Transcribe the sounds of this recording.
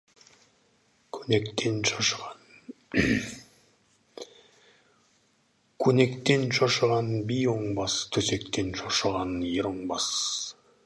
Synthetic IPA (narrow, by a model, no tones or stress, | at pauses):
kʰnekt̪enʃɑʃʁɑn | kʲʰɵne̞kt̪e̞nʃɑʃəʁɑnbijoɴbɑst̪ʰɵse̞k̚t̪e̞nʃoʃəʁɑnjeɾoɴbɑs